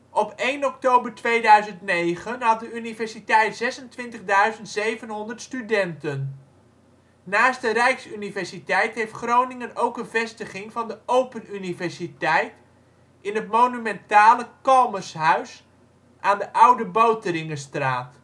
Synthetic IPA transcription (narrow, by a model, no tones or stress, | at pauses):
ɔpejnɔktowbərtʋejdœɥzəntnejχənɦɑt̚dəynivɛɹsitɛjtz̥ɛsəntʋɪntəχdœɥzəntsejvənɦɔndərtstydɛntən | naːstdərɛjksynivɛɹsitɛjtɦejftχrownɪŋənowkənvɛstəχɪŋvɑndəowpənynivɛɹsitɛjt | ɪnɦətmownymɛntaːləkɑlˠməsɦœɥs | ʔaːndəʔʌwdəbowtərɪŋəstraːt